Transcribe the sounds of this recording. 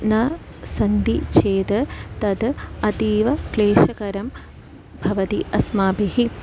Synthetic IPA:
nɐ | sɐnd̪it͡ʃʰeːt̪ɐt̪ɐd̪ɐt̪iːʋɐkleːʃɐkɐɾɐm | bʱɐʋɐt̪iʔɐsmaːbiɦi

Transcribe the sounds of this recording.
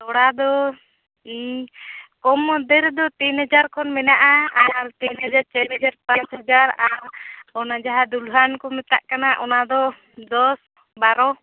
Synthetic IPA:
t̪ɔɽad̪ɔ | kɔmɔd̪ɛɾd̪ɔt̪inɦɛd͡ʒaɾkʰɔnmɛnaʔaaɾt̪inɦad͡ʒaɾt͡ʃɛɛd͡ʒaɾpat͡ʃɦəd͡ʒaɾaɾɔnad͡ʒaɦad̪ulɦankɔmɛt̪a̰ʔkanaʔɔnad̪ɔ | d̪ɔs | baɾɔ

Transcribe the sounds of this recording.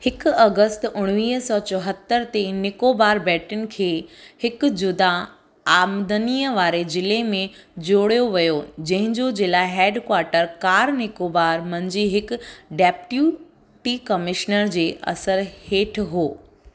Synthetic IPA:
hɪkʊɐɡəst̪ʊɽ̃ʋiːɦsɔːt͡ɕɔɦət̪ːəɾt̪enɪkoːbaːɾbɛːʈɪnɪ̆kʰeːhɪkʊ̆d͡ʑʊd̪a | aːmd̪əniːəʋaːɾed͡ʑɪlemẽd͡ʑoːɽijoʋɐjod͡ʑɐ̃ɦɪ̃ɲd͡ʑod͡ʑɪlaːɦɛːɖkwaːɾʈəɾkaːɾnɪkoːbaːɾmɐ̃ɲd͡ʑiːɦɪkʊ̆ɖɛːpʈjuː | ʈiːkɐmɪʃnəɾd͡ʑeːʔɐ̰səɾheːʈʰɦoː

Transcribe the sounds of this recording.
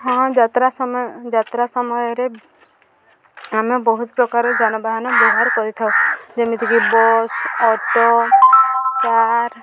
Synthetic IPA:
ɦɔ̃d͡ʒat̪ɾasɔmd͡ʒat̪ɾasɔmɔjɔɾe | amebɔɦut̪pɾɔkaɾɔd͡ʒanɔbaɦanɔbɔɦaɾkɔɾit̪ʰaod͡ʒemit̪ʰikibɔsɔʈo | kaɾ

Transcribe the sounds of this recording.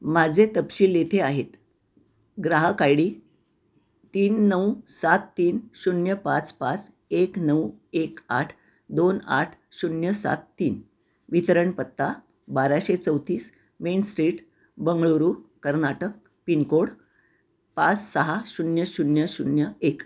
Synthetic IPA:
mad͡zʱet̪əpɕiːljet̪ʰeaɦet̪ | ɡɾaɦəkajɽiː | t̪iːnːəwsat̪ːiːnɕunjəpat͡spat͡s | eknəweka̰ʈʰ | d̪ona̰ʈʰ | ɕunjəsa̰t̪ːiːn | ʋit̪əɾəɳpət̪ːa | baɾaɕet͡səwt̪iːs | mensʈɾiːʈ | bəŋɡɭoɾukəɾnaʈək̚ | pinkoɽ | pat͡ssəɦaɕunjəɕunjəɕunjəek

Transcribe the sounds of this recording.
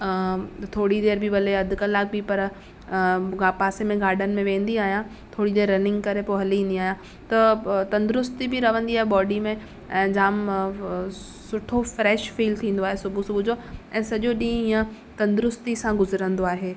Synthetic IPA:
t̪ʰoːɽid̪eːɾbʱiʋɐleɐd̪ʱʊkɐlaːk̚bʱipɐɾ | ɡaːpaːsemẽɡaːɾɖənɪ̆mẽʋẽːn̆d̪iaːɦjã | t̪ʰoːɽid̪eːɾːɐnɪ̃ŋɡkɐɾepoːɦɐliːnd̪iaːɦjã | t̪ɐt̪ɐ̃nd̪ɾʊst̪ibʱiɾɐʋə̃nd̪iaːɦebɔːɖimẽ | ɛ̃ːd͡ʑaːm | sʊʈʰofɾɛːʃfiːlt̪ʰĩːn̆d̪oaːɦesʊbʱusubʱʊd͡ʑʱoɛ̃ːsɐʄoɗĩːɦĩːə̃ | t̪ɐ̃nd̪ɾʊst̪isãɡʊzɾə̃nd̪oaːɦeː

